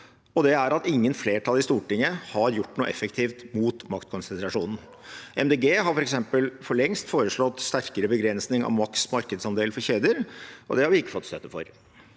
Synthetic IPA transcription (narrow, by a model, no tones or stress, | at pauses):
ɔd̪ɛæɾɑt̪ɪŋːənfleːʈʰɑlːˠɪst̪uːʈɪŋːəhɑɾjʊʈːnuːəʔɛ̰fːəkt̪ʰiːft̪muːt̪mɑkt̪kʰɔnsɛnt̪ɾɑʂuːnn̩ | ɛmd̪eːɡeːɦɑɾfɔɾɛksɛmpəlfɔɭɛŋst̪foːɾəʂɭɔt̪ːst̪æɾkəɾəbəɡɾɛnsnɪŋɑ̰ʋmɑksmɑɾkəd̪sɑnd̪eːlfɔɾçeːd̪əɾʔɔ̰d̪ɛhɑɾʋɪɪkːə̥fɔt̪ːst̪œt̪ːəfɔ̰ɾ